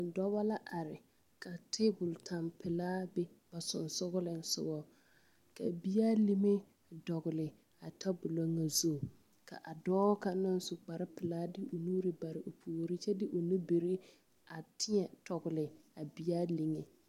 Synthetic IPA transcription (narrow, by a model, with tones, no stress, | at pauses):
dɔ˦ba˦la˦ʔa˨ɾɪ˨ | ka˨tʰe˦bʊ˨ltʰa˨mpɪ˨laː˦bɛ˦ | ba˨sʊ˨nsʊ˦ɣʊ˦lɪ˨n˦sʊ̰˦bɔ˦ | ka̰˨bi˦jaː˦li˦me˦ | dɔ˨ɣʊ˨lɪ˨ | a˨tʰa˦bʊ˨lo˦ŋːa˨zo˦˨ | ka̰˨ʔa˨dɔː˦ka˨nʊ˦n˦sʊ˨k͡pa˨ɾɪ˦pɪ˨laː˦dɪ˦ʊ˨nuː˦ɾɪ˦ba˨ɾɪ˨ʔo˨pʰuː˨ɾi˦t͡ʃɛ˦dɪ˦ʔʊ˨nu˦be˨ɾi˦ | a˨tʰɪ˦ɛ˨tɔ˨ɣʊ˨lɪ˨a˨bi˨jaː˦li˨ŋe˨